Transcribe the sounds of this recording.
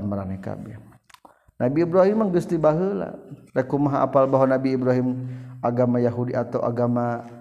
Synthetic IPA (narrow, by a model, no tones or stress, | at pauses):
nməɾanajka̰bɪr | nʔabiːbɾaɦimːaŋd͡ʒust̪ibaɦəla̰ɾakumaɦaʔa̰palbaɦwanabiːbɾaɦimaɡamajaɦudiat̪awʔa̰ɡama